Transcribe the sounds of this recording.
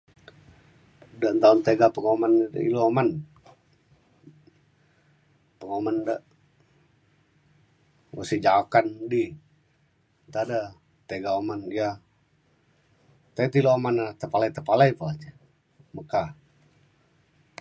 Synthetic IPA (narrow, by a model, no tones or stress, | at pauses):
dant̪aunt̪eɡapəŋoman̰ḭlooman | pəŋomandəʔ | wosid͡ʒaakandi | nt̪ada | t̪eɡaomanja | t̪ait̪iloamanat̪əpalait̪əpalajpaad͡ʒə | məka